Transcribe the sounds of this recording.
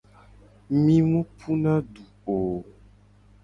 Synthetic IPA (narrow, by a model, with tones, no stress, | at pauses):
mĩ˦ŋũ˦pʰu˦nã˦ɖu˨o˨